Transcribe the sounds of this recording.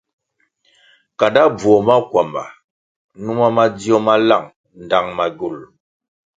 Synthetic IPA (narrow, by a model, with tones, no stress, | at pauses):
ka˨da˦b͡vwɔ˨ma˦kwa˨mba̰˨ | nu˦ma˦ma˦di˦ɔ˦ma˦la˦˨ŋ | n˨da˦˨ŋma˨ɡu˦˨l